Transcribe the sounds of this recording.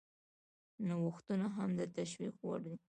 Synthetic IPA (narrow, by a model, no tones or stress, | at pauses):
nawʊxt̪unaɦamd̪ət̪aʃwikwa̰ɽni